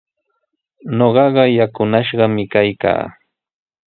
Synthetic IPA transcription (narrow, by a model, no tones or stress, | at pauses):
noɢɑɢɑjakʊnaʃɢɑmɪkajka̰ː